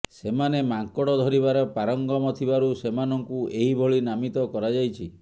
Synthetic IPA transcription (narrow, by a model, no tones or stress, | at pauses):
semanemaŋkɔɽɔd̪ʱɔɾibaɾepaɾɔŋɡɔmɔt̪ʰibaɾusemanɔŋkuʔeɦibʱoɭinamit̪ɔkɔɾad͡ʒajt͡ʃʰi